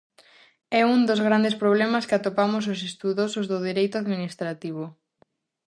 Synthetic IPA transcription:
ɛuŋd̪ozɣ̞ɾand̪espɾoβ̞lɛmaskɪat̪opamʊsos̬est̪uðosozðʊðiɾejt̪ʊaðminist̪ɾat̪iβ̞o

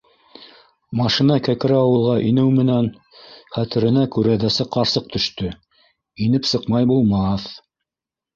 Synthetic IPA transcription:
mɑʃinɑkækɘ̆ɾæɑwɤ̆lˠʁɑʔinɘwmɘ̆næn | χæt̪ɘ̆ɾɘ̆nækʉɾæðæsɘqːɑɾsɤq̚t̪ɵ̆ʃt̪ɵ | inɘpsɤ̆qmɑjbulˠmɑθ

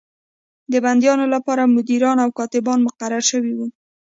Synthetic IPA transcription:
d̪əband̪jɑnolapɑɾamʊd̪iɾɑnawkɑt̪ɪbɑnmʊqaɾaɾʃəwiwu

